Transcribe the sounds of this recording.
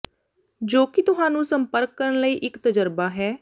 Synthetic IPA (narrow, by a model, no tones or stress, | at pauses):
d͡ʒoːkɪt̪ʊɦãːnũːsəmpəɾkːəɾəɳləiːʔɪkt̪əd͡ʒəɾbaːɦɛː